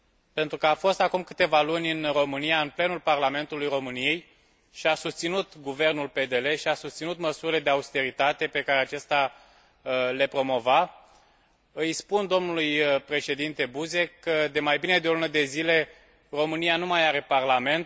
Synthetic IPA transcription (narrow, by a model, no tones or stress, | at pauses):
pe̞nt̪ɾukəafo̞st̪akumkɨt̪e̞valunʲɨnro̞mɨnijaɨnple̞nulparlame̞nt̪ulujro̞mɨnije̞j | ʃiasust̪sinut̪ɡuve̞rnulpe̞d̪e̞le̞ʃiasust̪sinut̪məsuɾile̞d̪eaust̪e̞ɾit̪at̪e̞pe̞kaɾeat͡ʃest̪a | le̞pɾo̞mo̞va | ɨjspund̪o̞mnulujpɾe̞ʃe̞d̪int̪e̞buze̞kːəd̪e̞majbine̞d̪eolunəd̪e̞zile̞ | ro̞mɨnijanumajaɾe̞parlame̞nt̪̚